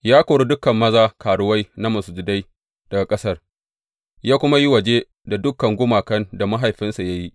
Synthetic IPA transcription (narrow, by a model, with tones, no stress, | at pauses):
jaː˦koː˨ɽu˦dʊ˦kɐ˨mːɐ˦zaː˦kaː˨ɽʊ˦wa˦jna˦mɐ˨sʊ˨d͡ʒʊ˨da˦j | d̥ɐ˨ɡa˨kʼɐ˦sɐ˦r | jaː˦kʷʊ˦ma˦ji˦wɐ˨d͡ʒeː˦ | da˨dʊ˦kːɐ˨ŋɡʷʊ˦maː˨kɐ˦nda˨ma˦ɦa˨jɸɪ˦nsa˨ja˦ji˦ʔ